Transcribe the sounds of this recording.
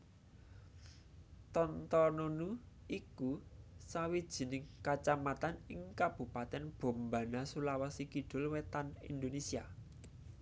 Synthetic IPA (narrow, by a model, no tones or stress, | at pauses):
t̪ɔnt̪ɔnonu | ikusawid̥ʒ̥i̤nɪŋkat͡ʃamat̪anɪŋkab̥ṳpat̪ɛnb̥o̤mba̤nasulawasikiɖ̥ʊ̤lwet̪anḭnd̪onesia